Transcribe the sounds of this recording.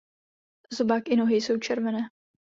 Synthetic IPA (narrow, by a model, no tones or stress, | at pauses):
zobaːkʔɪno̞ɦɪjso̞wt͡ʃɛɾvɛnɛː